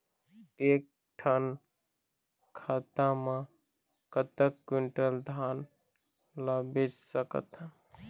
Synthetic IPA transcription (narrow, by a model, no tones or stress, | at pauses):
eːk̚ | ʈʰən | kʰat̪amã | kət̪əkːiɳʈəld̪ʱaːn | labed͡ʒsəkə̰t̪